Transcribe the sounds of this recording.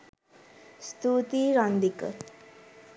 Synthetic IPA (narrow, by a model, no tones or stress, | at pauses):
st̪ut̪iɾʌnd̪ikə̰